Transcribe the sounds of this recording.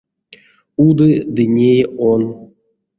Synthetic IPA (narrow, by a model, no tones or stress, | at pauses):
ud̪ɨd̪ɨnʲejon